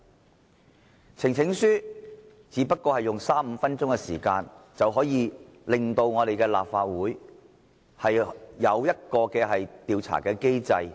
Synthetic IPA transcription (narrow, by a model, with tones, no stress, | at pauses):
t͡sʰɪ˨˩ŋt͡sʰɪ˨˥ŋsyː˥ | t͡siː˨˥pɐ˥t̚kːɔː˧hɐ˨jʊ˨ŋsaː˥m̩˨˧fɐ˥nt͡sʊ˥ŋkɛ˧sḭː˨˩kaː˧nt͡sɐ˨wɦɔː˨˥jiː˨˧lɪ˨˩ŋt̪o˧wŋɔː˨˧ɾe˨jkɛː˧la̰ː˨p̚faː˧t̚wuː˨˥j | hɐ˨jjɐ˨˧wjɐ˥t̚kɔː˧kɛː˧ɦɐ˨jt̪iː˨˧wt͡sʰa̰ː˨˩kɛː˧ke˥jt͡sɐ˧j